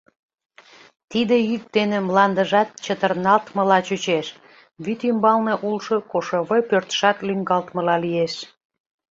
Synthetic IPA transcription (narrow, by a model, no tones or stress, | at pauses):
t̪id̪ejyk̚d̪enĕmlɑnd̪əʒɑt̪̚t͡ɕət̪ərnɑlt̪mə̆lɑt͡ɕut͡ɕeʃ | βyt̪ymbɑlneʔulʃokoʃɤβəpørt̪ə̥ʃɑt̪lyŋɡɑlt̪mə̆lɑlieʃ